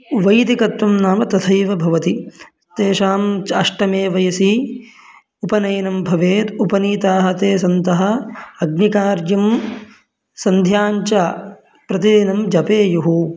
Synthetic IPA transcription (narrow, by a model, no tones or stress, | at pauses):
ʋɐjt̪ikɐt̪ʋɐmnaːmɐt̪ɐt̪ʰɐjʋɐbʱɐʋɐt̪i | t̪eːʃaːmt͡ʃɐʂʈɐmeːʋɐjɐsi | upɐnɐjnɐmbʱɐʋeːt̪upɐniːt̪aːɦɐt̪eːsɐnt̪ɐɦɐ̆ɐɡ̚nikaːɾd͡ʒjɐm | sɐnd̪ʱjaːɲt͡ʃɐ | pɾɐt̪id̪inɐmd͡ʒɐpeːjuɦu